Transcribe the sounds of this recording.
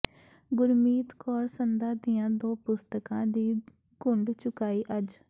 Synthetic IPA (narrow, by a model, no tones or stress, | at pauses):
ɡʊɾmiːt̪kɔːɾsənd̪ãːd̪ɪjãːd̪oːpʊst̪əkãːd̪iː | ɡʊɳɖt͡ʃʊkaːiːʔəd͡ʒ